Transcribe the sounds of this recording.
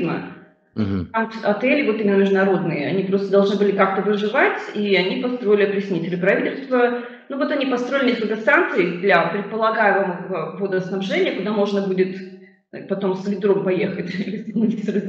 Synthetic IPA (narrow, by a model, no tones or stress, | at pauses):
nə | amɐt̪ɛlʲɪvo̞t̪imʲɪnːəmʲɪʐd̪ʊnɐɾo̞d̪nɨjəɐ̰nʲipɾost̪əd̪ɐlˠʐnɨbɨlʲɪkak̚t̪əvɨʐɨvatʲiɐnʲipɐst̪ɾo̞ɪlʲɪɐpɾʲɪsʲnʲit̪ʲɪɾʲɪpɾɐvʲitʲɪlʲst̪və | nuvo̞t̪ɐnʲipɐst̪ɾoɪlʲɪnʲeskəlʲkəsant̪sɨd̪lʲɐpɾʲɪt̪̚pəlˠɐɡajɪməməəvod̪əsnɐbʐɛnʲɪjəkʊd̪amo̞ʐnəbudʲɪt̪ | pɐt̪o̞msvʲɪd̪ɾo̞mpɐjexətʲilʲɪsʲɪnɐisʲɾɨ